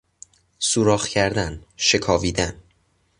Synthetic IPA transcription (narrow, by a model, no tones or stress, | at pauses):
suːɾɒːxcʰæɾd̪ænʃe̞kʰɒːviːd̪æn